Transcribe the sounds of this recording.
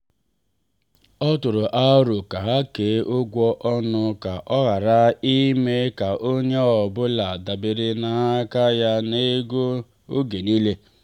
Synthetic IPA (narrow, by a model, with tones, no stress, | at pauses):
ɔ˦tʊ˨ɾʊ˨ʔa˦ɾʊ˨ka˨ɦa˦ke˨˦ʔʊ˦ɡʷɔ˦ʔɔ˦nʊ˦ka˨ʔɔ˦ɣa˨ɾa˦i˦me˦ka˨ʔo˦ɲe˦ɔ˨bʊ˦la˨da˨be˨ɾɪ˦na˨a˦ka˦ja˦ne˦ɡo˦ | o˦ɡe˨ni˦le˦